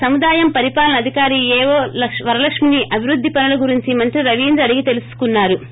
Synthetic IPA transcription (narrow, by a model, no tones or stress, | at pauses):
sɐmud̪aːjɐmpɐɾipaːlɐnɐd̪ʱikaːɾiːɛːʋoːɐʂʋɐɾɐlɐkʂminiʔɐbʱiɾud̪ʱːipɐnɐlɐɡuɾiɲt͡ʃimɐnt̪ɾiɾɐʋiːnd̪ɾɐɽiɡit̪e̞lusu̥kunːaːɾu